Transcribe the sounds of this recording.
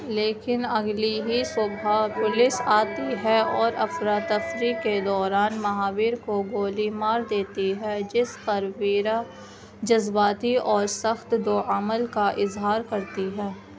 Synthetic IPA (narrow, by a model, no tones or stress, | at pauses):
leːkɪnɐɡliɦisoːbʱapʊlɪsaːt̪iɦɛɔːɾɐfɾat̪ːɐfɾikːed̪ɔːɾaːnmɐɦaːwiːɾkoɡoːlimaːɾd̪eːt̪iɦɛd͡ʒɪsqɐɾwiːɾa | d͡ʒɐzbaːt̪iɔːɾsɐxt̪d̪oːəməlkaʔɪzɦaːɾkɐɾt̪iɦɛː